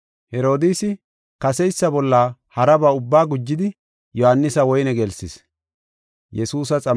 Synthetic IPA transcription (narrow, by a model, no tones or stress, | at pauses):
hɛɾo̞ːd̪iːsɪ | kɐsɛjsːɐbɔlːahɐɾɐbɐʊbːaːɡʊd͡ʒːɪd̪ɪ | jɔhanːɪsɐwɔjnɛɡɛlsɪs | jɛsuːs̬ɐt͡sʼɐ